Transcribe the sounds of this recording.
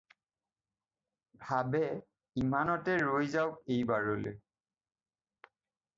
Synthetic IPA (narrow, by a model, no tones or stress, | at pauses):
bʱabɛ | imanɔtɛɹojzawejbaɹolḛ